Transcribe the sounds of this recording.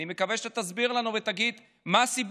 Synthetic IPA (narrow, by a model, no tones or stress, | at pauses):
nimekaveʃet̪azbiʁlanuvet̪aɡid̪ | maːsib